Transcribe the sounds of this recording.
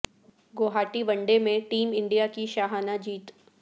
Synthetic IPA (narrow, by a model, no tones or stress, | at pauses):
ɡoːɦaːʈiʋɐ̃ɳɖemẽʈiːmɪ̃ɳɖijakiʃaːɦaːnad͡ʒiːt̪